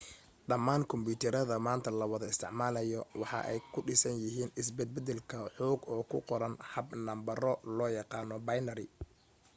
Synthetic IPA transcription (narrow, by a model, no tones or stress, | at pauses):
ɗɐmːaːŋkʰɔmbuːt̪ʰɛɾɐðɐmaːnt̪ʰɐlɐwɐðɐɪst̪ʰɪʕmaːlɐjɔwɑħɑ̰ʔɛjkʰʊɖɪsɐnjɪɦiːnɪsbɛd̪̚bɛd̪ɛlkʰɐħɔːɡɔːkʰʊqɔɾɐnhɐbnɐmbɐrɔlɔːjɑqɑːnɔbɐjnɐɾɪ